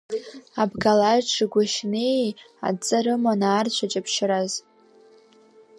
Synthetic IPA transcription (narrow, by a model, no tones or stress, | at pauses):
abɡalaʒʈ͡ʂʰɨɡʷaʃnej | a̰t͡sʼɨɾɨmanaːrt͡ɕʷʰat͡ʃʼapʰʃɾaz